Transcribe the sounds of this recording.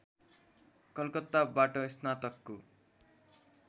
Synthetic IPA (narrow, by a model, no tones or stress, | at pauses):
kʌlkʌt̪ːabaʈʌisnat̪ʌkːo